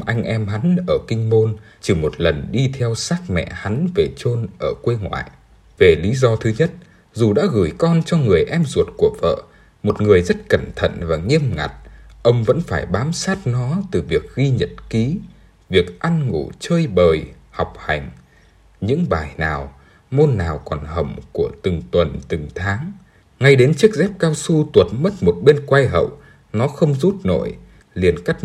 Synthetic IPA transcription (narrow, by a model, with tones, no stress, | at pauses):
ʔa˧jŋ̟ʔɛ˧mɦa˨˦nʔəː˧˩kï˧ŋ̟mo˧nt͡ɕi˧˩mo˨˩t̚lə˨˩nɗi˧t̪ʰɛ˧wsaː˦˥k̚mɛ̰˧˨ha˨˦nve˨˩t͡ɕo˧nʔəː˧˩kwe˧ŋwa̰ː˧˨jʔ | ve˨˩li˨˦zɔ˧t̪ʰɨ˨˦ɲə˦˥t̚ | zu˨˩ɗa̰ː˧˥ɣɨ˧˩jkɔ˧nt͡ɕɔ˧ŋɨ˨˩əjʔɛ˧mzu˨˩ət̚ku˨˧˩əv̥ə̰ː˧˨ | mo˨˩t̚ŋɨ˨˩əjzə˦˥t̚kə˧˩nt̪ʰə̰˧˨nvaː˨˩ŋi˧əmŋa̰˨˩t̚ʔə˧wŋ͡mvə̰˧˥nfaː˧˩jɓaː˨˦msaː˦˥t̚nɔ˨˦t̪ɨ˨˩vi˨˩ək̚ɣi˧ɲə˨˩t̚ki˨˦ | vi˨˩ək̚ʔa˧nŋṵ˧˩t͡ɕəː˧jɓəː˨˩j | ha˨˩wk͡p̚ha˨˩jŋ̟ | ɲɨ̰˧˥ŋɓaː˨˩jnaː˨˩w | mo˧nːaː˨˩wkɔ˨˩nhə˨˧˩wŋ͡mku˧˩ət̪ɨ˨˩ŋt̪wə˨˩nt̪ɨ˨˩ŋt̪ʰaː˨˦ŋ | ŋa˧jɗe˨˦nt͡ɕɨ˦˥ək̚zɛ˦˥p̚kaː˧wsu˧t̪wə˨˩t̚mə˦˥t̚mo˨˩t̚ɓe˧nkwa˧jɦə̰˧˨w | nɔ˨˦xə˧wŋ͡mzu˦˥t̚no̰˧˨j | li˨˩ənka˦˥k̚